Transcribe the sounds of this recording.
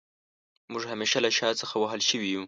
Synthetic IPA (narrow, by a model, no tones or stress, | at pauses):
mʊʐhameʃalaʃɑt͡səxawaɦəlʃəwiju